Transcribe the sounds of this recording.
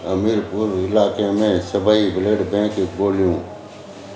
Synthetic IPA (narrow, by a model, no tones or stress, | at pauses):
əmiːɾpʊɾɪlaːkeːmẽːsəbaːibɪləɽbẽːkboːljũː